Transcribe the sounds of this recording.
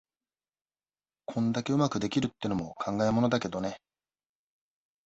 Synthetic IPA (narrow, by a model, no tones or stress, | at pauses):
kʰõ̞nd̪ake̞ɯ̟makɯ̟d̪e̞kʲiɾɯ̟t̪ːeno̞mo̞kʰãŋɡaemo̞no̞d̪ake̞d̪o̞ne̞